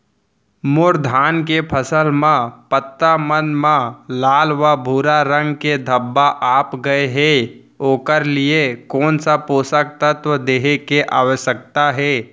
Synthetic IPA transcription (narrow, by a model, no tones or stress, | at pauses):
mʊɾd̪ʱaːnkepʰəsəlmãpət̪ːamənmãlaːlʋabʱuːɾaɾə̃ŋɡked̪ʱəbːaʔaːpɡəeɦɛː | oːkəɾlɪekɔːnsapoːsək̚t̪ət̪ʋəd̪eːɦekeʔaːʋəʃək̚t̪aɦɛː